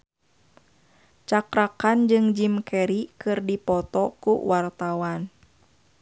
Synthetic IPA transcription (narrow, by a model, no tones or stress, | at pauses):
t͡ʃakɾakand͡ʒɨŋd͡ʒimkɛɾikɨrdipɔt̪ɔkṵwart̪awan